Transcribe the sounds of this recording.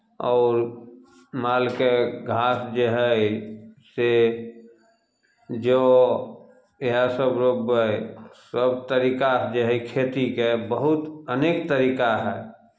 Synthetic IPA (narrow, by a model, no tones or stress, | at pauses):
ɔːɾ | maːlkeɡʱaːsd͡ʒeɦɛ | se | d͡ʒo | ɦasəbɾobəsəbt̪əɾiːkad͡ʒeɦɛikʰet̪ikebəɦʊt̪əneːk̚t̪əɾiːkaɦɛː